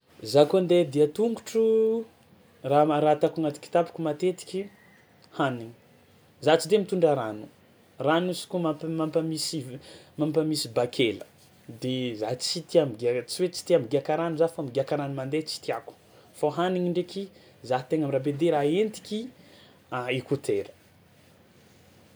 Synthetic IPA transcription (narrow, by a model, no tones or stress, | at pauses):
zakoand̪ed̪iat̪uŋɡuʈ͡ʂu | raɾaːt̪akuŋat̪i̥ki̥t̪api̥kʲumat̪et̪i̥kʲi | haniŋi̥ | zat͡sid̪emit̪uɳɖ͡ʐaɾanu̥ | ranusi̥kumapmampəmisimampəmisibakʰelə̥ | d̪ezaɦt͡sit̪iamɡt͡siwet͡si̥t̪iamiɡiakaɾanuzafamiɡiakaɾanimand̪et͡si̥t̪iaku̥ | foɦaniŋiɳɖ͡ʐekʲi | zaɦt̪eŋamrabed̪eɾaent̪i̥kʲi | aikut̪ʰeɾə̥